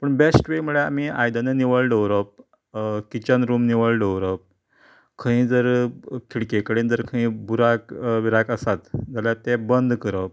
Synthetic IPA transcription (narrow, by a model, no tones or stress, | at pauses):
pəɳbesʈʋemuɭea̰m̤iajd̪aneniʋəɭɖəwɾɔp̚ | kit͡ɕənɾumniʋəɭɖəwɾɔp̚ | kʰəĩd͡zəɾk̪ʰiɽkekəɽind͡zəɾkʰəĩbuɾakʋiɾakəsat̪d͡zaljat̪ɛbənd̪ʱkəɾəp̚